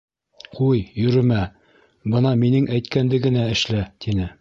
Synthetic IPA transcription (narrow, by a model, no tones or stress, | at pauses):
qujjɵ̆ɾɘ̆mæ | bɤnɑminɘŋæjt̪̚kænd̪ɘ̆ɡɘ̆næɘ̆ʃlæt̪inɘ